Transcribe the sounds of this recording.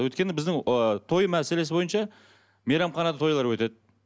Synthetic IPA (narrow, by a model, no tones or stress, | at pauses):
wɵjt̪̚kʲe̞nɪbɪzd̪ɪŋt̪ʰo̞jəmæse̞le̞s̬ɪbo̞jənʃɑ | meɾɑmχɑnɑd̪ɑt̪ʰo̞jlˠɑɾwɵt̪e̞d̪ɪ